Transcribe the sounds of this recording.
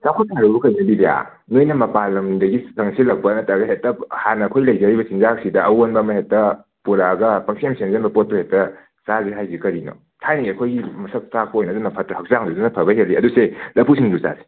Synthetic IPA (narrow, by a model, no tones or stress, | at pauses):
sakʰotaɾubukʰɐjzɐbibeja̰ | nojnɐmɐpalɐmdɐɡisʰɐŋsilɐk̚pɐːnɐtaɡɐɦettɐhanɐːkʰojlɐjzɐɾibɐsinzak̚sidɐɐwonbɐmɐɦettːɐ | puɾaɡɐpɐŋsemsenzenbɐpot̚pohetɐ | saziɦajzikɐɾino̰ | tʰajniɡiɐkʰojɡimɐsɐp̚tak̚pɐojnɐdunɐpʰɐtɐɦɐk̚zaŋdudunɐpʰɐbɐɦelːiɐduselɐpʰusiŋdusa̰zi